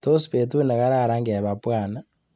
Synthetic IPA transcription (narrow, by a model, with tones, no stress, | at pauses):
to˦si̥pe˨tu˦ne˨ka˦ɾa˦˨ɾa˦ŋɡa˨βa˨pwana